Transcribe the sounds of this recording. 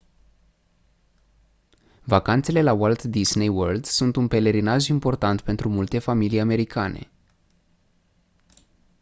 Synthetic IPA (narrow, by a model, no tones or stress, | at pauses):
vakant̪se̞le̞lawalt̪d̪isnejworld̪sunt̪unpe̞le̞ɾinaʒimpo̞rt̪ant̪pe̞nt̪ɾumult̪e̞familijame̞ɾikʰanʔe̞̰